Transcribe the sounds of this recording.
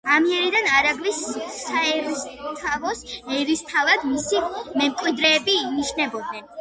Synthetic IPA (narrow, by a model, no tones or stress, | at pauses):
amiɛɾid̪anaɾaɡlisːaɛɾst̪ʰavɔsɛɾist̪ʰavad̪misimɛmkʼwid̪ɾɛːbiniʃnɛbɔd̪̚nɛn